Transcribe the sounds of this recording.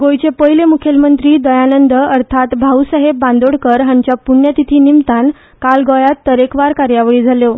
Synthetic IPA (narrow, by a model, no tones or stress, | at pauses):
ɡojt͡ɕepəɦjlemukʰjəlmənt̪ɾiːd̪əjanənd̪əəɾt̪ʰat̪bʱausəɦebːãnd̪oɽkəɾɦãɲt͡ɕjapunjat̪it̪ʰiːnimt̪an | kalɡojat̪ːəɾekʋaɾkaɾjaʋɭiːd͡zʱaljo